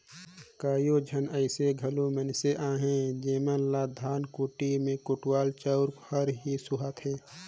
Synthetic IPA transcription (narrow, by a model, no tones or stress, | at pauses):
kaːjod͡ʒʱənəɪseɡʱəlumənseʔãːɦẽd͡ʒeːmənlad̪ʱaːnkoːʈimẽkʊʈwaːlt͡ʃəʊɾhəɾɦisʊɦat̪ɦeː